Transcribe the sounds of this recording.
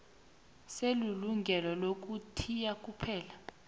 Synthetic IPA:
seluluŋɡʱɛlɔlok̬ʼutʰijak̬ʼupʰɛːla

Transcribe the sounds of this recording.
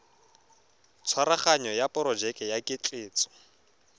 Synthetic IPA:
t͡sʰwaɾaχaɲɔjapʼɔɾɔd͡ʒɛkʼɛjakʼɪt͡ɬʼeːt͡sʼɔ̥

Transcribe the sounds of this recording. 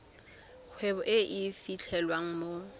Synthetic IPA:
k͡xʰwɛbɔʔɪʔɪfit͡ɬʰɛlwaŋ̩mo

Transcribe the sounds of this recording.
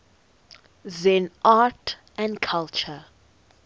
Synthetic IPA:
zɛ̃naːt | æ̃nkʰalt͡ʃə

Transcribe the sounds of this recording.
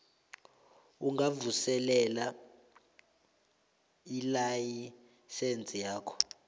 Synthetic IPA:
uŋɡavusɛlɛla | ilaji | sent͡sʼijaːkʰɔ̥

